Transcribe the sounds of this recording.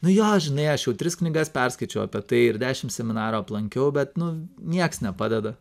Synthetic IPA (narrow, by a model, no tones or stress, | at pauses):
nʊjoːʒʲɪnɐɪɐʃjɛʊt̪ʲɾʲɪsknʲɪɡɐspʲɛrskɐɪt͡ʃʲɛʊɐpʲiɛt̪ɐɪɪɾd̪ʲæːʃʲɪmsʲɛmʲɪnɑːɾoːɐplˠɐŋʲkʲɛʊbʲɛt̪nʊnʲiɛksnʲɛpɑːd̪ʲɛd̪ɐ